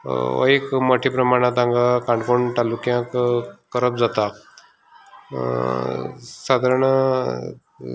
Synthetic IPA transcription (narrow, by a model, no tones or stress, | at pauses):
ə̰jekməʈʰipɾəmaɽ̃at̪̬ãŋɡakãɳkoɳʈ̪alukjãkkəɾəp̚d͡zat̪a | sad̪ʱaɾɳ